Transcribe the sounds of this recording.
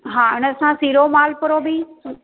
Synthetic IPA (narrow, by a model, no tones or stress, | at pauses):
ɦãːɪñəsãsiːɾomaːlpɐɾobi